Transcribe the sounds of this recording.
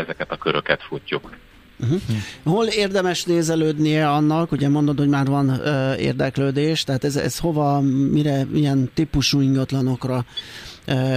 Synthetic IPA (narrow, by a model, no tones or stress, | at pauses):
ɛzɛkɛt̪ɒkøɾøkɛt̪fucːuk | m̩ɦ̩holeːrd̪ɛmɛʃneːzɛløːd̪nijɛɒnːɒkuɟɛmo̞nd̪od̪ho̞ɟmaːrvɒnøḛːrd̪ɛkløːd̪eːʃt̪ɛɦaːt̪ɛzɛ̰sho̞vɒmiɾɛijɛnt̪ipuʃuːiŋɡɒt̪lɒno̞krɒ